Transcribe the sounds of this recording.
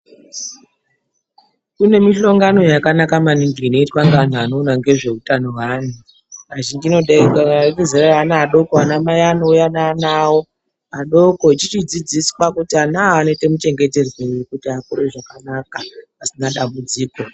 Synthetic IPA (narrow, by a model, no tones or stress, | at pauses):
kune̞miʃo̞ŋɡano̞jakanakamaniŋɡiino̞itwaŋɡan̤uano̞naŋɡe̞ʐe̞utano̞waːn̤u | aʒiŋɡino̞ɗaikakezeraanaaɗo̞koanamajaːnoujanaːnaːwo̞ | aɗo̞ko̞it͡ʃit͡ʃid͡zid͡zisi̥pakutianaːnete̞mut͡ʃe̞ŋɡe̞te̞rweujukutiakoɾeʐakanakaasinaɗambud͡ziːko̞